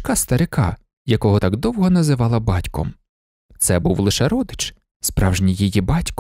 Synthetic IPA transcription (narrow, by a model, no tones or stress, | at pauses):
kɑst̪ɐɾɪkɑ̰ | jɐkɔɦɔt̪ɑɡd̪ɔwɦɔnɐzɪʋɑlˠɐbɑtʲkɔ̰m | t̪sɛbuwlˠɪʃɛɾɔd̪ɪt͡ʃ | spɾɑwʒnʲijijibɑtʲk